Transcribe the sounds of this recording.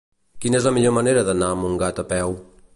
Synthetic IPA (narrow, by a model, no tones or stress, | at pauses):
kinɛzləmiʎomɐneɾəðənamuŋɡat̪apɛw